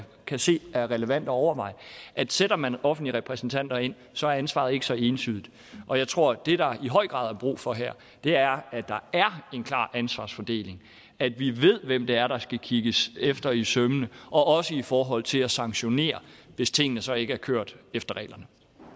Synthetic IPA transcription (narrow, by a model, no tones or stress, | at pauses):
kʰæse̝̰ːæɐʁɛləʋæn̰d̥ɒɒʊɐʋɑ̈ɪ̰ʔæd̥seɾɐmænɒ̽fn̩dliʁɛpʰʁɛsn̩t͡sʰæn̰d̥ɐe̝n̰ | sɒ̽æɐænsʋɑ̰̈ðˠe̝ɡəsɒ̽e̝ːnsyðˠid̥ | ʔɒ̽jɑ̈ɪt͡sʰʁo̝ɐ̰d̥e̝d̥ɑ̈iɦɒ̽ɪ̰ɡ̥ʁɑ̰̈ːðˠɐb̥ʁṵːfɒ̽ɦæɐ̰ | d̥e̝æɐæd̥ɑ̈æɐe̝nkʰlɑ̰̈ːʔænsʋɑ̈ːsfɒd̥e̝̰ːle̝ŋ | æd̥ʋiʋe̝ð̞̰ˠʋemd̥eæɐɾ̥ɑ̈sɡ̥ækʰiɡ̥əsefd̥ɐisœmənəʔɒ̽ʔɒ̽səifɒːɦɒ̽l̰t͡sʰe̝læsɑ̈ŋɕo̝ne̝̰ːɐʋe̝st͡sʰe̝ŋ̰ənəsɒ̽e̝ɡ̥əæɐkʰøɐ̰d̥efd̥ɐʁɛ̰ːlɐnə